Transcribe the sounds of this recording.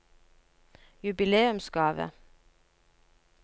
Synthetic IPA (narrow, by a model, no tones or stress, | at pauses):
jʉbɪleːʉmsɡɑːʋə̰